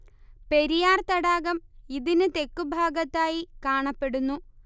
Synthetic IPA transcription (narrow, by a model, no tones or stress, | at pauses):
pe̞ɾijaːrt̪ɐɽaːɣɐmiðinɨt̪e̞kːubʱaːɡɐt̪ːaːjikaːɳɐpːe̞ɽunːu